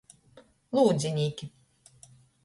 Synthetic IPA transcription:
lˠuːd̪zʲinʲiːkʲi

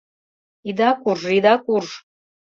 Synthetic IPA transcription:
id̪akurid̪akur

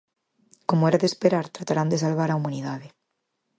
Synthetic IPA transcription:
komoɛɾaðespeɾaɾt̪ɾat̪aɾand̪es̬alβaɾaumaniðaðe

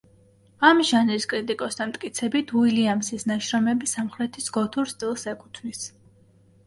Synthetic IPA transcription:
amʒanɾiskʼɾit̪ʼikʼɔst̪ʰanmt̪ʼkʼit̪sʰɛbit̪ʰuiliamsisnaʃɾɔmɛbisamχɾɛt̪ʰisɡɔt̪ʰuɾst̪ʼilˠsɛkʼu̥t̪ʰvnis

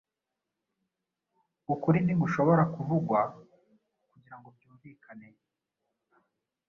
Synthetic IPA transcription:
ukuɾiniɡuʃo̞βo̞ɾakuvuɡwa | kuɟiɾaŋɡobɟuːɱviːkʰane̞

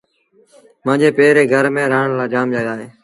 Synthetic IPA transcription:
mə̃ːɲd͡ʒeːpeːɾeːɡʱəɾmẽːɾaːɳlaːd͡ʒaːmd͡ʒəɠaːɦeː

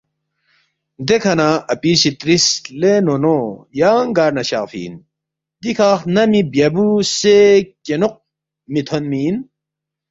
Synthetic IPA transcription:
d̪ekʰɐnaɐpisit̪ɾislenonojaːŋɡaːɾnɐɕafḭːn | d̪ikʰaːxnɐmibjɐbusekenuq̚ | mit̪ʰonmiːn

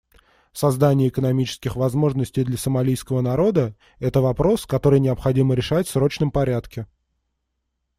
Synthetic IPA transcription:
sɐzd̪anʲɪjəɪkənɐmʲit͡ɕɪ̥skʲɪxvɐzmo̞ʐnəsʲtʲɪjd̪lʲɐsəmɐlʲijskəvənɐɾo̞d̪ə | ɛt̪əvɐpɾo̞skɐt̪o̞ɾɨjnʲɪɐpxɐdʲiməɾʲɪʂatʲfsɾo̞t͡ɕnəmpɐɾʲat̪kʲɪ

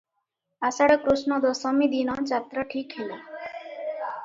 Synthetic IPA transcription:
asaɽəkɾuʃnɔd̪ɔsɔmid̪inɔt͡ʃat̪ɾəʈʰiːkɦil

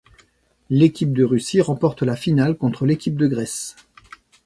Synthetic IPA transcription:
lekʲip̚d̪əʁysiʁɑ̃pɔʁt̪lafinalkɔ̃t̪χəlekʲip̚d̪əɡʁɛs

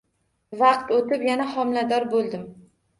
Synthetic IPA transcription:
vɑq̚t̪ot̪ɪpjanahɒmlad̪ɒɾbolˠd̪ɪm

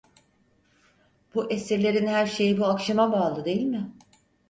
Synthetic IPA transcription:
b̥uʔesiɾlʲe̞ɾinhæɾʃe̞jibuakʃamabaːlˠɯd̪e̞jilʲmɪ

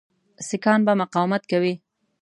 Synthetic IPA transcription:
sɪkɑnbamʊqɑwmat̪̚kawi

